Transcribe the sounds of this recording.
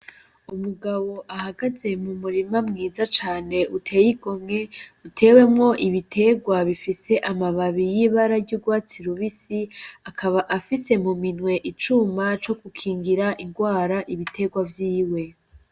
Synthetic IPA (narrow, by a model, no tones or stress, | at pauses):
umuɡaβo̞ʔahaɡaze̞mumuɾimamŋiːzat͡ʃaːne̞ʔutʰe̞ːjiɡo̞mŋe̞utʰe̞ːwe̞mŋo̞ʔiβitʰe̞ɡwaβifise̞ʔamaβaβijiβaɾaɾɟuːɡwaːt͡siɾuβisiakʰaβaʔafise̞muminŋwe̞ʔit͡ʃumat͡ʃo̞kukʰiːŋɡiɾaʔiŋɡwaːɾaʔiβitʰe̞ɡwavjiːwe̞